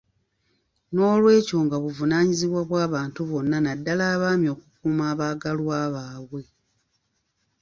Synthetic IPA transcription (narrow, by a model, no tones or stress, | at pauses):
no̞ːlwe̞ːco̞ŋɡaβuvunaːɲiziβwaβwaːβaːntuβo̞nːanadːalaːβaːmjo̞ːkukuːmaːβaːɡalwaːβaːβwe̞